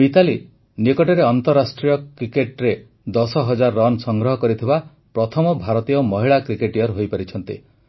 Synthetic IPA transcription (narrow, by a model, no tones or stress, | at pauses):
mit̪ali | nikɔʈɔɾeɔnt̪ɔɾːasʈɾijɔkɾikeʈɾe | d̪ɔsɔɦɔd͡ʒaɾːɔnsɔŋɡɾɔɦɔkɔɾit̪ʰiba | pɾɔt̪ʰɔmɔbʱaɾɔt̪ijɔmɔɦiɭakɾikeʈijɔɾɦojpaɾit͡ʃʰɔnt̪ḭ